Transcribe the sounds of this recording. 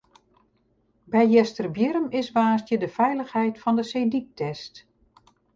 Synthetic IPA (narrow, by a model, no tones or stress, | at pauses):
bɛjjɛstərbjɪɾəmɪsʋaːstjədəfɛjləxhɛjtfɑndəsejdik̚tɛst